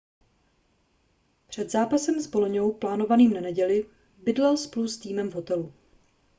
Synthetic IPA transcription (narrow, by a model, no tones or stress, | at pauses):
pr̝̥ɛd̪zaːpasɛmzboloɲo̞wplaːno̞vaniːmnanɛɟɛlɪ | bɪdlɛlsplust̪iːmɛmvɦo̞t̪ɛlu